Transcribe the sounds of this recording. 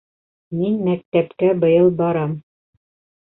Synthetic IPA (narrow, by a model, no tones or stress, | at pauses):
minmæk̚t̪æpkæbɤ̆jɤlˠbɑɾɑm